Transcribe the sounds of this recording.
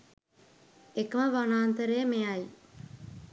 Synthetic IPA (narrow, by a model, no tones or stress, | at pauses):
ekəməʋanaːnt̪əɾejəmeaj